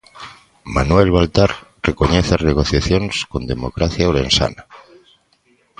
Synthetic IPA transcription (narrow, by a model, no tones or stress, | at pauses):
manwe̞lβalt̪arrekoɲeθarneɣ̞o̞θjaθjo̞nsko̞nd̪e̞mo̞kɾaθjaoɾe̞nsa̰na